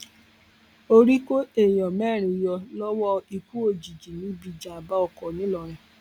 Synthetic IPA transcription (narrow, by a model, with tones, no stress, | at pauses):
o˧ɾi˦ko˦e˦˨jɔ̃˨mɛː˦˨ɾ̃ĩ˨jɔ˧lɔ˦wɔ˦i˧ku˦o˦˨d͡ʒi˨d͡ʒi˨nĩ˨˦bi˧d͡ʒa˨a˨ba˦ɔ˧˨kɔ˨nĩ˦lɔ˧˨ɾɛ̃˨